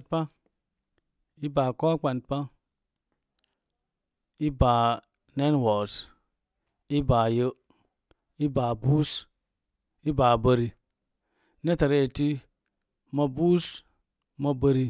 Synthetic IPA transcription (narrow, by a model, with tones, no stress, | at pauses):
pa˦ | i˦ba˨ko˦k͡pa˨npa˦ | i˦ba˨ | ne˦nwo˨s | i˦ba˨jə˦ | i˦baː˨bu˦s | i˦baː˨bə˨ɾi˨ | ne˦ta˨ɾe˦e˨ti˦ | ma˨bu˦s | ma˦bə˦ɾi˧